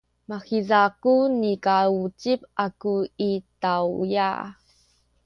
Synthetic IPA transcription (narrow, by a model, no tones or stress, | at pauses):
maxizakunikaut͡ɕip̚akuitawja̰